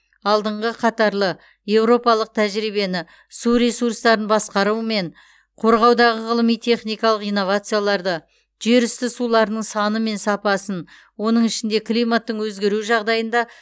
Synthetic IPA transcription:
ɑlˠd̪əɴʁəqʰɑt̪ɑɾlˠə | je̞wɾo̞pɑlˠəq̚t̪ʰæʒɾijbe̞nɪ | suɾe̞suɾst̪ɑɾənbɑsqɑɾume̞ɴ | qʰo̞ɾʁɑwd̪ɑʁəʁəlˠəmijt̪ʰe̞χnijkɑlˠəqijno̞vat̪sɨjalˠɑɾd̪ə | ʒ̥e̞ɾʏst̪ɪsulˠɑɾənəɴsɑnəme̞nsɑpɑsən | wo̞nəɴɪʃɪnd̪e̞kʰlˠijmat̪ːəɴwɵzɡʲe̞ɾuʒɑʁd̪ɑjənd̪ɑ

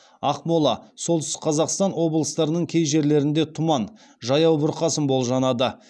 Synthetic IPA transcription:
ɑqmolˠɑ̰solˠʏst̪qʰɑzɑqst̪ɑnwo̞blˠəst̪ɑɾənəɴkʲʰe̞jʒe̞ɾle̞ɾɪnd̪e̞t̪ʰʊmɑn | ʒɑjɑwbʊɾqɑsənbo̞lˠʒɑnɑd̪ə

